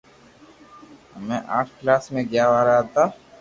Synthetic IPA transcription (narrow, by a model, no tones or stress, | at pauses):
əmẽːʔa̰ːʈʰklaːsmẽːɡɪjaːʋaːɾaːɦət̪aː